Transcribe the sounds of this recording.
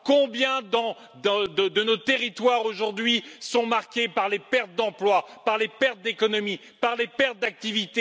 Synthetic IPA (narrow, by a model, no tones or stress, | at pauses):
kɔ̃bjɛ̃d̪ɑ̃ | d̪d̪əd̪ənot̪eʁit̪waʁoʒuʁd̪ɥisɔ̃maʁkʲepaʁlepɛʁt̪̚d̪ɑ̃plwapaʁlepɛʁt̪̚d̪ekɔnɔmi | paʁlepɛʁt̪̚d̪ak̚t̪ivit̪e